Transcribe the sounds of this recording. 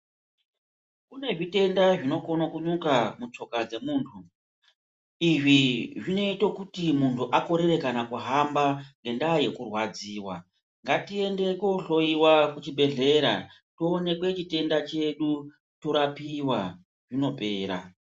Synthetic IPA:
kune̞ʐite̞ndaʐino̞ko̞nokuɲukamut͡ʂo̞kad͡ze̞muːntʰu | iʐiʐine̞itokutimuntʰuʔako̞ɾe̞ɾe̞kanakuɦambaŋɡe̞ndaje̞kurwad͡ziːwa̰ | ŋɡatie̞nde̞ko̞ɬo̞iwakut͡ʃibʱe̞ɮe̞ɾa̰ | toːne̞kwe̞t͡ʃite̞ndat͡ʃe̞ɗu | to̞ɾapiwa | ʐino̞pe̞ːɾa̰

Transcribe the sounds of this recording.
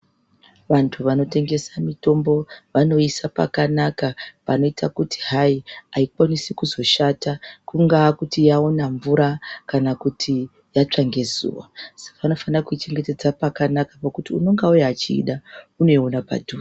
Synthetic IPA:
ʋantʰuʋano̞te̞ŋɡe̞samito̞mbo̞ʋano̞isapa̰kanakapano̞itakutʰi̥ɦaiaikwanisikuzo̞ʃatakuŋɡakutijaonaɱvuɾakanakutʰi | jat͡ʂaŋɡe̞zṵːwa̰sḁkaʋano̞fanirakuit͡ʃe̞ŋɡe̞te̞d͡zapakanakḁpakutiuno̞ŋɡaujaːt͡ʃḭːɗauno̞ionapa̰dʱu

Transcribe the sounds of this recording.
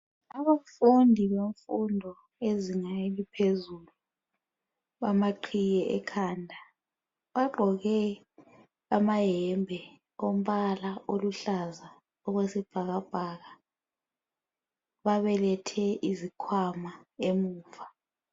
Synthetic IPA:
aβafundʱiβeɱfundʱɔ | eziŋaelipʰezulu | βamaǃʰijɛʔɛkʰaːndʱa | βaɡ͡ǃʱɔɣɛ | amajɛmbʱɛ | om̩βalaoluɬaza | ɔɣwesib̥ʱaɣab̥ʱaɣa | βaβɛlɛtʰɛizikʰwamaemuːva

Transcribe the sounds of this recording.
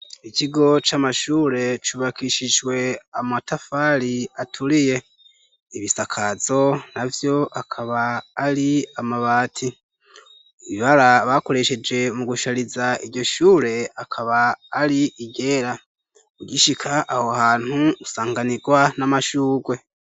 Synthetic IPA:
iciɡo̞t͡ʃamaʃuːɾe̞t͡ʃuβakiʃiʒwe̞amatafaɾiatʰuɾije̞ | iβisakʰaz̥o̞navjo̞ʔakʰaβaːɾiamaβaːtʰi | iβiβaɾaβako̞ɾe̞ʃe̞d͡ʒe̞muɡuʃaɾizaiɾɟo̞ʃuːɾe̞akʰaβaːɾiʔiɟe̞ːɾa | uɟiʃikʰaʔːhohaːn̥huːsaːŋɡaniɡwanamaʃuːɡwe̞

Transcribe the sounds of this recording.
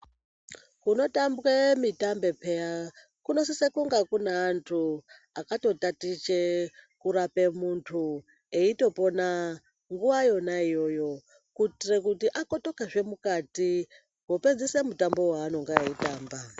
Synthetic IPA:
kuno̞tambwemitambe̞pʰeja | kuno̞sisekuŋɡakunaːntʰu | akato̞tatit͡ʃekuɾapemuntʰu | eito̞po̞na | ŋɡuʋajo̞naijo̞jo̞ | kutirekutiʔakoto̞kaʐe̞mukati | ɦoped͡zisemutambo̞waːno̞ŋɡaaitaːmba

